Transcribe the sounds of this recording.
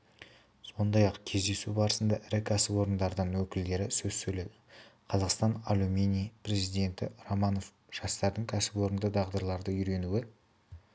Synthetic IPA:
so̞nd̪ɑjɑqkʲʰe̞zd̪e̞subɑɾəsənd̪ɑʔɪɾɪkʲʰæsɪpwo̞ɾənd̪ɑɾd̪ənwɵkʲɪld̪e̞ɾɪsɵzsɵjled̪ɪqʰɑzɑqst̪ɑnalˠumʲenʲijpre̞zijd̪e̞nt̪ɪ̰romɑno̞f | ʒ̥ɑst̪ɑɾd̪əŋkʲʰæsɪpwo̞ɾənd̪əd̪ɑʁd̪əɾlˠɑɾd̪əʏɾe̞nuwɪ

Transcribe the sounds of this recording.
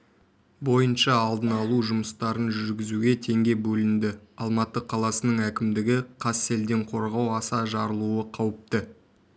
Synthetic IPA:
bo̞jənʃɑːlˠd̪ənɑlˠuʒʊməst̪ɑɾənʒʏɾɡʲɪzuɡʲe̞t̪ʰe̞ŋɡʲe̞bɵlɪnd̪ɪɑlˠmɑt̪ːəqʰɑlˠɑsənəɴækʲɪmd̪ɪɡʲɪqʰɑse̞ld̪e̞ɴqʰo̞ɾʁɑwɑsɑʒɑɾəlˠuəqʰɑwəp̚t̪ə

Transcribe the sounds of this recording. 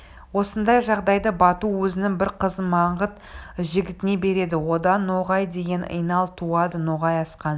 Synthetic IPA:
wo̞sənd̪ɑjʒɑʁd̪ɑjd̪əbɑt̪uwɵzɪnɪŋbɪɾqʰəzəmɑɴʁət̪ | ʒɪɡʲɪt̪ɪne̞be̞ɾe̞d̪ɪwo̞d̪ɑnːoʁɑjd̪e̞ɡʲe̞nə̰jnɑlˠt̪ʰuɑd̪ənoʁɑjɑsqɑn

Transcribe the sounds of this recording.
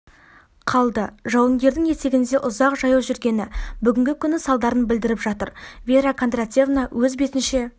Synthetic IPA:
qʰɑlˠd̪əʒɑwəŋɡʲe̞ɾd̪ɪŋje̞t̪e̞ɡʲɪnd̪e̞ʔʊzɑqʒɑjɑwʒʏɾɡʲe̞nɪbʏɡʲɪŋɡʲɪkʲʰʏnɪsɑlˠd̪ɑɾənbɪld̪ɪɾɪpʒɑt̪əɾvʲe̞ɾakʰont̪rat̪ʲe̞vnawʔɵzbe̞t̪ɪnʃe̞

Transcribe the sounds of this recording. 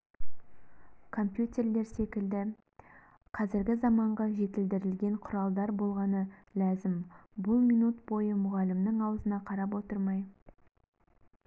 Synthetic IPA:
kʰo̞mpjut̪ʲe̞rle̞ɾse̞kʲɪld̪ɪ | qʰɑzɪɾɡʲɪzɑmɑɴʁɑʒe̞t̪ɪld̪ɪɾɪlɡʲe̞ɴqʰʊɾɑlˠd̪ɑɾbo̞lˠʁɑnəlæzɪmbʊlˠmijnut̪bo̞jəmʊʁɑlɪmnəŋɑwəzənɑqʰɑɾɑp̬wo̞t̪əɾmɑj

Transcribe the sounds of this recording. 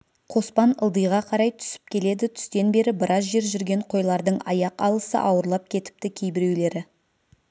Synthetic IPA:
qʰo̞spɑnə̰lˠd̪əjʁɑqʰɑɾɑjt̪ʰʏ̥sɪ̥p̚kʲʰe̞le̞d̪ɪt̪ʰʏ̥st̪e̞nbe̞ɾɪbɪɾʔɑzʒe̞ɾʒʏɾɡʲe̞ɴqʰo̞jlˠɑɾd̪əɴɑjɑqɑ̰lˠəsə̰ʔɑwəɾlˠɑp̚kʲʰe̞t̪ɪ̥p̚t̪ɪkʲʰejbɪɾe̞wle̞ɾɪ

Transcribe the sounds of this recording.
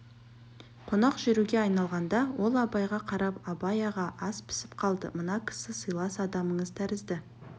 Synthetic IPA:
qʰo̞nɑqʒɪɾuɡʲeɑjnɑlˠʁɑnd̪ɑwo̞lˠɑbɑjʁɑqʰɑɾɑpɑbɑjɑʁɑʔɑspʰɪ̥sɪ̥pqʰɑlˠd̪əmənɑkʲʰɪ̥sɪsəjlˠɑsɑd̪ɑməɴəzt̪ʰæɾɪzd̪ɪ

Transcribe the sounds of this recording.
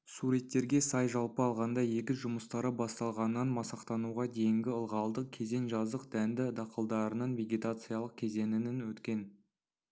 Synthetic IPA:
suɾet̪ːe̞ɾɡʲe̞sɑjʒɑlˠpəɑlˠʁɑnd̪ɑje̞kʲɪʒʊməst̪ɑɾəbɑst̪ɑlˠʁɑnɑnmɑsɑqt̪ɑnuʁɑd̪e̞jɪŋɡʲɪəlˠʁɑlˠd̪əq̚kʲʰe̞ze̞nʒɑzd̪əqd̪̥ænd̪ɪd̪ɑqəlˠd̪ɑɾənɑnvʲe̞ɡʲet̪at̪sɨjalˠəq̚kʲʰe̞ze̞nɪnɪnwɵt̪kʲe̞n

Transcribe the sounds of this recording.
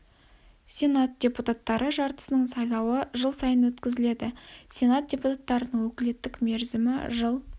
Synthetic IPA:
sʲe̞nat̪̚dʲe̞put̪at̪ːɑɾʔəʒɑɾt̪ə̥sənəɴsɑjlˠɑwəʒəlˠsɑjənwɵt̪kʲɪzɪle̞d̪ɪsʲe̞nat̪̚d̥ʲe̞put̪at̪ːɑɾənəɴwɵkʲɪle̞t̪ːɪkme̞ɾzɪmɪ̰ʒəlˠ

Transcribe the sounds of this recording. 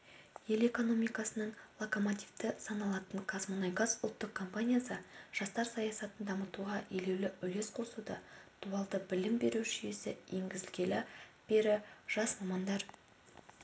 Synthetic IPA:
je̞le̞ko̞no̞mijkɑsənəɴlˠoko̞mot̪ʲivt̪ɪsɑnɑlˠɑt̪əɴkʰasmonajɡɑzʊlˠt̪ːəqkʰːo̞mpanʲijasəʒ̥ɑst̪ɑɾsɑjɑsɑt̪ənd̪ɑmət̪uʁɑje̞le̞wlɪʏle̞sqʰo̞sud̪ɑd̪̥uɑlˠd̪əbɪlɪmbe̞ɾuʒʏje̞sɪje̞ŋɡʲɪzɪlɡʲe̞lɪb̥e̞ɾɪʒ̥ɑsmɑmɑnd̪ɑɾ

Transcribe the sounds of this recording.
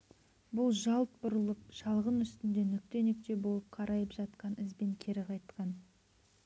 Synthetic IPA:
bʊlˠʒɑlˠt̪̚bʊɾəlˠəp̚ʃɑlˠʁənʏst̪ɪnd̪e̞nʏk̚t̪e̞nek̚t̪e̞bo̞lˠəp̚qʰɑɾʔɑjəpʒɑt̪qɑnɪzbeŋkʲʰe̞ɾɪqʰɑjt̪qɑn

